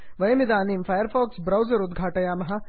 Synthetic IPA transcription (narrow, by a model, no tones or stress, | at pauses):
ʋɐjəmid̪aːniːmfajəɾfɔːksbɾɐwd͡zəɾud̪ɡʱaːʈɐjaːmɐɦa